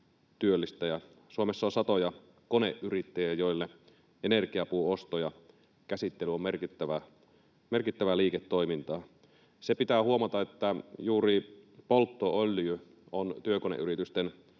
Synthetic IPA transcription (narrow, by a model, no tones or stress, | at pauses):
t̪yølːist̪æjɑ | suomesːɑonsɑt̪ojɑ | koneʔʔyrit̪ːejæjoˑilːe | ʔenerkiɑpuːost̪ojɑ | kæsit̪ːelyomːerkit̪ːæʋæ | merkit̪ːæʋæliːket̪ːoimint̪ɑː | sepit̪æːhuomɑt̪ɑet̪ːæjuːripolt̪ːoolːiø | ont̪yøkonḛʔyrit̪yst̪en